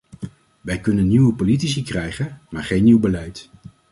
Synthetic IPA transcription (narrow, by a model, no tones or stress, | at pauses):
ʋɛjkɵnənːiwəpolit̬is̬ikrɛjχənmaːɹχejnːiwbəlɛjt